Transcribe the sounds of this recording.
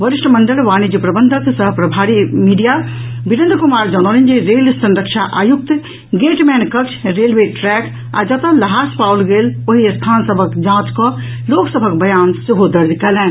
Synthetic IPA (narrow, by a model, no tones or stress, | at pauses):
ʋəɾiʂʈməɳɖəlʋanid͡ʒipɾəbənd̪ʱəksəɦpɾəbʱaɾimiɖijabinə̃nd̪kumaɾd͡ʒañolend͡ʒeɾelsə̃nɾəkt͡ʃʰaʔajuk̚t̪ | ɡeʈmɛnkəkt͡ʃʰɾelʋeʈɾɛk | a̰d͡ʒət̪ələɦaspaulɡeloɦist̪ʰansəbʱəkd͡ʒãt͡ʃkɔ | loksəbʱəkbəjansiɦod̪əɾd̪ikɛlɛn